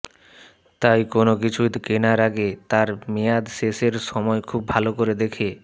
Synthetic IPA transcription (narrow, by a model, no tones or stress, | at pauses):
t̪ajkonokit͡ɕʰukenaɾaɡet̪aɾmejad̪ʃeʃeɾʃɔmɔekʰub̚ʱalokoɾed̪ekʰe